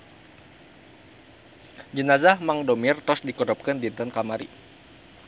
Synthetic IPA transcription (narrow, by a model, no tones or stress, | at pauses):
d͡ʒənazahmaŋdɔmirt̪ɔsdikɔɾɔp̚kəndint̪ənkamaɾḭ